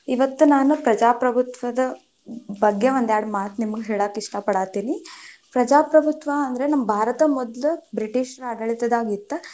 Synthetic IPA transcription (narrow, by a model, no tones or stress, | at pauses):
iʋɐt̪ːunaːnupɾɐd͡ʒaːpɾɐbʱut̪ʋɐd̪ɐ | bʱɐɡjeond̪jaːɽmaːt̪nimɐɡɦeːɭaːkiʂʈɐpɐɽaːt̪iːnipɾɐd͡ʒaːpɾɐbʱut̪ʋɐːnd̪ɐɾenɐmːɐbʱaːɾɐt̪ɐmɔd̪lubɾiʈiːʃɐɾɐɡɐɭit̪ɐd̪aːɡit̪ːɐ